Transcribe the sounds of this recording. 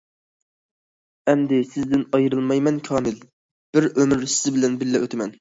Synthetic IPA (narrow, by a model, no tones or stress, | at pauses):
ɛmd̪ɪsɪzd̪ɪnɑjɾɨlˠmɑjmɛnkʲʰɑːmɪl | b̥ɪɾømɪɾsɪzɪbɪlɛnbɪlːɛʔøt̪ʰɪmɛn